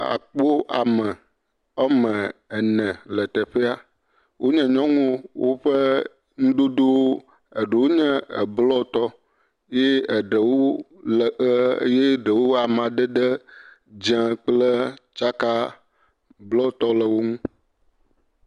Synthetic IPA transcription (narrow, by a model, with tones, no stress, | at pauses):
a̰˨k͡po˦a̰˨məɛ̃˨ | ɛ˦mɛ̃˨ɛ˨nɛ̃˨lə˨t̪ɛ˨ɸe˦a˦ | wʔo˦ɲɛ̃˨ɲɔ̃˦ŋũ˦wo˦ɸə˦ | ŋũ˦d̪o˦d̪o˦wo˦ | ə˨ɖə˨wo˦ɲɛ̃˦ə̰˨blɔ˦t̪ɔ˦ | je˦ə˨ɖə˨wo˦lje˦ɖə˨wo˦a˨m˨ã˨ɖə˦ɖə˦ | d͡ʒã˦k͡plə˦t͡ʃa˦ka˦ | blɔ˦˨t̪ɔ˦lə˨wo˦ŋũ˦